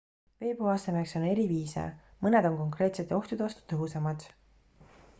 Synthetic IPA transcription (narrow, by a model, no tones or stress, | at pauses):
ve̞ːboɑsemekso̞ne̞ɾiviːsḛmɤne̞d̪o̞ŋko̞ŋkre̞ːt̪set̪ːˑeo̞ht̪ud̪eɑst̪u̥t̪ɤɦusɑmɑd̪̥